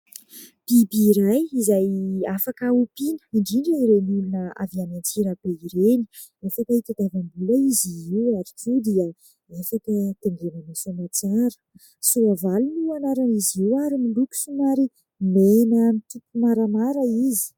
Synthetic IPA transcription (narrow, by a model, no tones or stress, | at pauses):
b̥ibiːɾajizajafakəupinə̥iɳɖ͡ʐiɳɖ͡ʐiɾenulunəa̰vianant͡siɾəb̥eiɾeni̥ | efakəit̪ad̪̥avambuləiziiwaɾikud̪iə | efakət̪eŋɡenanosomat͡saɾə̥ | suavalunuanaɾaniziwaɾimiɳɖ͡ʐukʲu̥sumaɾi | menamit̪upumaɾamaɾəizi̥